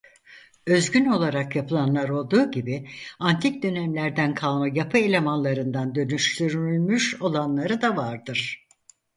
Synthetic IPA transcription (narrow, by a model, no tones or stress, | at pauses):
ø̞zɟyno̞lˠaɾakjapʰɯlˠanlˠaɾo̞lˠd̪uːɟibiant̪ʰic̚d̪ø̞næmlʲæɾd̪ænkʰalˠmajapʰɯe̞lʲe̞manlˠaɾɯnd̪and̪ø̞nyʃt̪ʰyɾyylʲmyʃo̞lˠanlˠaɾɯd̪avaɾd̪ɯɾ̥